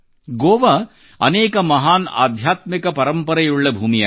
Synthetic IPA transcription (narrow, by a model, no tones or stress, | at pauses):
ɡoːʋɐ | ɐnɛːkɐmɐɦaːna̰ːd̪ʱjaːt̪mikɐpɐɾɐmpɐɾɐjuɭːɐbʱuːmijɐ